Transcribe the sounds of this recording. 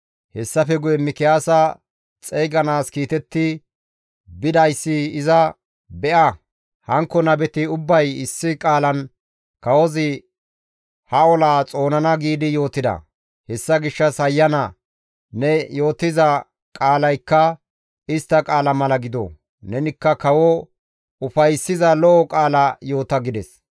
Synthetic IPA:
hɛsːɐfɛɡʊjɛmɪkɪjaːsɐ | t͡sʼejɡɐnaːskiːt̪ɛt̪ːɪ | bɪd̪ɐjsːɪːzɐ | bɛʔɐ | hɐŋkːɔnɐbɛt̪ɪʊbːɐjɪsːɪkʼaːlɐn | kɐwɔzɪ | hɐɔlaːt͡sʼo̞ːnɐnɐɡiːd̪ɪjo̞ːt̪ːɪd̪ɐ̰ | hɛsːɐɡɪʃːɐsɐjːɐnɐ | nɛjo̞ːt̪ːɪzɐ | kʼaːlɐjkːɐ | ɪst̪ːɐkʼaːlɐmɐlɐɡɪd̪ɔ̰ | nɛnɪkːɐkɐwɔ | ʊfɐjsːɪzɐlɔʔɔkʼaːlɐjo̞ːt̪ɐɡɪd̪ɛs

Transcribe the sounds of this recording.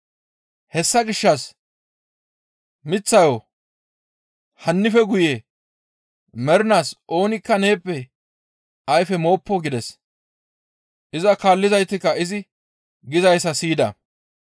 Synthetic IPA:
hɛsːɐɡɪʃːɐs | mɪt͡sːɐjo | hɐnːɪfɛɡʊje | mɛɾɪnaːsʔo̞ːnɪkːɐne̞ːpːɛ | ɐjfɛmo̞ːpːɔɡɪd̪ɛs | ʔɪzɐkaːlːɪzɐjt̪ːɪkːɐɪzɪ | ɡɪzɐjsɐsiːd̪ɐ̰

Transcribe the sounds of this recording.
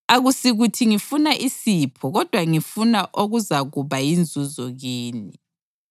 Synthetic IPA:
aɣusiɣutʰiŋifunaʔisipʰɔɣɔd̥ʱwaŋifunaʔoɣuzaɣuβajind͡zʱuzɔɣiːni

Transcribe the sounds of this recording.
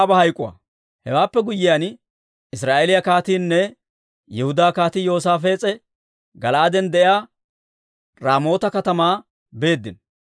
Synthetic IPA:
bɐhɐjkʼːʊwa̰ | hɛwaːpːɛɡʊjːɪjan | ɪsɾaːʔelɪjɐkaːt̪iːnːɛ | jɛhʊd̪aːkaːt̪ijo̞ːs̬aːf̬eːt͡sʼɛ | ɡɐlaːd̪ɛnd̪ɛʔɪjaː | ɾaːmo̞ːt̪ɐkɐt̪ɐmaː | be̞ːd̪ːɪn

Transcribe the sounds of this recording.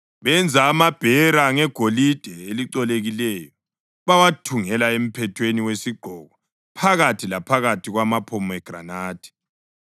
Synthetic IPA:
βɛnd͡zʱaːmab̥ʱɛɾaŋɛɡ̥ʱolid̥ʱɛeliǀɔleɣilɛjɔ | βawatʰuŋɛlaem̩pʰɛtʰweniwesiɡ͡ǃʱɔɣɔ | pʰaɣatʰilapʰaɣatʰiɣwamapʰɔmɛɡ̥ra̰naːd̥ʰʱʼɛ̥

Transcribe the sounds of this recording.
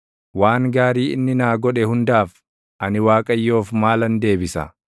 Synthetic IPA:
waːŋɡaːɾiːɪnːɪnaːɡɔᶑɛhʊnd̪aːf | ʔɐnɪwaːkʼɐjːo̞ːfmaːlɐnd̪e̞ːbɪsɐ̰

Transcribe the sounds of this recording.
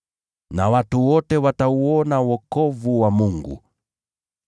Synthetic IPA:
na̰watuwɔtɛwatauɔnawɔkɔvuwamuŋɡṵ

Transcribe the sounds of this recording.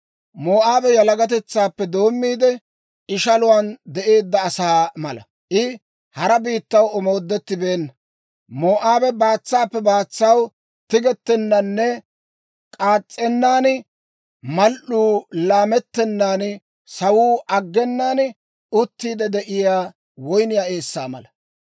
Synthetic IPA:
moːʔaːbɛjɐlɐɡɐt̪̬ɛt͡sːaːpːɛd̪o̞ːmːiːd̪ɛ | ʔɪʃɐlʊwand̪ɛʔe̞ːd̪ːɐːsaːmɐlɐ̰ | ʔɪ | hɐɾɐbiːt̪ːɐwɔmo̞ːd̪ːɛt̪ːɪbe̞ːnːɐ | moːʔaːbɛbaːt͡sːaːpːɛbaːt͡sːɐw | t̪ɪɡɛt̪ːɛnːɐnːɛ | kʼaːt͡sʼːɛnːaːn | mɐlʔuːlaːmɛt̪ːɛnːaːn | sɐwuːʔɐɡːɛnːaːn | ʊt̪ːiːd̪ɛd̪ɛʔɪjaː | wɔjnɪjaːe̞ːsːaːmɐ̰lɐ

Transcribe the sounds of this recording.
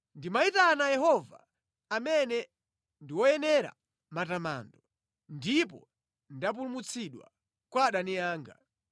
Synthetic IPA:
ndimaitanajɛɦɔva̰ː | mɛnɛ | ndiwɔjɛnɛɾa̰ | matama̰ːndɔ | ndip̬ɔ | ndap̬ulumut͡sʰiɗwa̰ | kwaɗanijaːŋɡa̰

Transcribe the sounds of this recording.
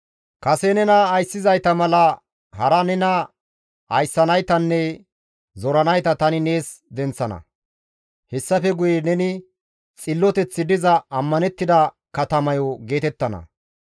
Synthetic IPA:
kɐsɛnɛnɐːjsːɪzɐjt̪ɐmɐlɐ | hɐɾɐnɛnɐ | ɐjsːɐnɐjt̪ɐnːɛ | zɔɾɐnɐjt̪ɐt̪ɐnɪne̞ːsd̪ɛnt͡sːɐnɐ̰ | hɛsːɐfɛɡʊjɛnɛnɪ | t͡sʼɪlːɔt̪ɛt͡sːɪd̪ɪzɐɐmːɐnɛt̪ːɪd̪ɐ | kɐt̪ɐmɐjɔɡe̞ːt̪ɛt̪ːɐnɐ̰

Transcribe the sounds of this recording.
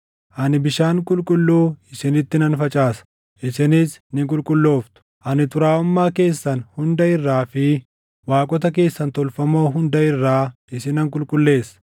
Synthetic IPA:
ʔɐnɪbɪʃaːŋkʼʊlkʼʊlːuːɪsɪnɪt̪ːɪnɐnfɐt͡ʃʼaːsɐ̥ | ʔɪsɪnɪsnɪkʼʊlkʼʊlːo̞ːft̪ʊ̥ | ʔɐnɪt̪ʊɾaːʊmːaːke̞ːsːɐnhʊnd̪ɐɪrːaːfɪ | waːkʼɔt̪ɐk̬e̞ːsːɐnt̪ɔlfɐmo̞ːɦʊnd̪ɐɪrːaːʔɪsɪnɐŋkʼʊlkʼʊlːe̞ːsɐ̥

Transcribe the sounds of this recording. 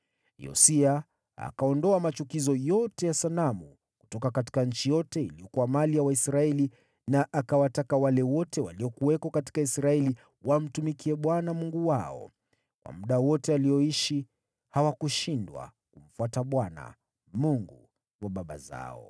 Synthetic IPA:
jɔ̰sia | a̰kaɔndɔamat͡ʃukizɔjɔtɛjasanamu | ku̥tɔkakati̥kaɲ̩t͡ʃijɔtɛiliɔkuwamalijawaisɾaɛli | naʔakawatakawalɛwɔtɛwa̰liɔkuwɛkɔkati̥kaisɾaɛli | wam̩tumikiɛɓwanamuŋɡuwaɔ̰ | kwʔa̰muɗawɔtɛaliɔiʃi | hawakuʃindwa̰ | kum̩fuataɓwana̰ | muŋɡu | waɓaɓa̰za̰ɔ̰

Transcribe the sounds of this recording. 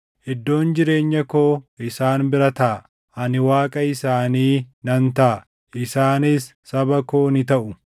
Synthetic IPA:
hɛd̪ːo̞ːnd͡ʒɪɾe̞ːɲːɐkoːɪsaːnbɪɾɐt̪ɐʔː | ʔɐnɪwaːkʼɐɪsaːniːnɐnt̪ɐʔɐ | ɪsaːnɪsːɐbɐkoːnɪt̪ɐʔʊ

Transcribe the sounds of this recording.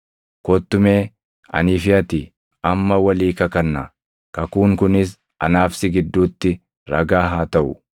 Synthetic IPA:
kɔt̪ːʊme̞ː | ʔɐ̰niːfɪɐt̪ɪ | ɐmːɐwɐliːkɐkɐnːɐ | kɐkuːŋkʊnɪs̬ | ʔɐ̰naːfsɪɡɪd̪ːuːt̪ːɪ | ɾɐ̰ɡaːɦaːt̪ɐʔʊ

